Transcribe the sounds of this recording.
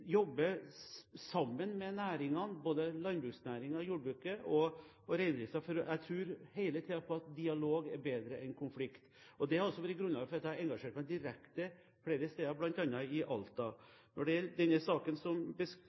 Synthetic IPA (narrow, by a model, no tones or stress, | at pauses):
jɔbːə | sɑmːənmɛnæːɾɪŋɑnboːd̪əlɑnbɾʉːksnæːɾɪŋɑjuːɖbɾʉːkəʔɔ | ɔɾæɪnɾiːsɑfɔɾɔʔæɪt̪ʰɾʉːɾheɪlət̪ʰiːd̪ɑpʰɔɑt̪̚d̪ɪɑloːɡæɾbeːd̪ɾəʔɛnkʰʊnflɪkt̪ | ɔd̪ɛhɑɾɔsːɔʋæɾɪɡɾʉnlɑːɡəfɔɾɑt̪ːæɾɛŋɡɑʂeːʈmæɛɪd̪ɪɾɛkt̪ə | fleːɾəst̪eːd̪ɑblɑnt̪ɑnːɑɪʔɑlt̪ɑ | nɔɖɛæɾd̪ɛnːəsɑːkənsɔmbəs